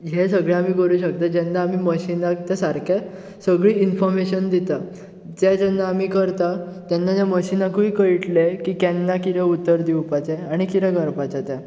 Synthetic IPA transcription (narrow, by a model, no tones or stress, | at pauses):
ɦesəɡɭɛam̤iːkəɾuːɕək̚t̪ad͡ʑɛnːaːmiːməɕinakt̪asaɾkʰɛ | səɡɭiːinfɔɾmeɕənd̪it̪a | d͡ʑɛd͡ʑɛnːaːmiːkəɾt̪a | t̪jɛnːad͡ʑjaməɕinakuikəiʈlekiːkɛnːakiɾɛut̪ːəɾd̪iwpat͡ɕɛaɽ̃ikiɾɛɡəɾpat͡ɕat̪ɛ̃